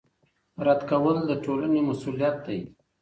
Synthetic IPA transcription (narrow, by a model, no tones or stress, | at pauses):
ɾad̪kawəld̪əʈolanemasulijat̪̚d̪aj